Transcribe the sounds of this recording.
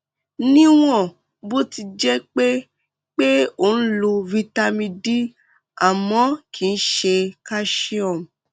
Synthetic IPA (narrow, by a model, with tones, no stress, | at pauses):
nĩ˦w̃ɔ̃˦˨ | bo˦ti˧d͡ʒɛ˦k͡pe˦ | k͡pe˦o˦˨n̩˦lo˧vi˧ta˧mĩ˧di˦ | a˨mɔ̃˨˦kʰi˦˨˧n̩˦ʃe˧ka˦ʃi˦ɔ˦˨m˨